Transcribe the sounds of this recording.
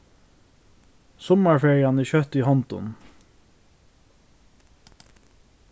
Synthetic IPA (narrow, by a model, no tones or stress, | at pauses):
sɔməɹfeːɹɪɑniːçœt̪iːhɔnt̪ʊ̰n